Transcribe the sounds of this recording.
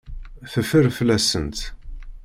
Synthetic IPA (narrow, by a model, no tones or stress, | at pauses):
θəfəɾflæsə̰nt̪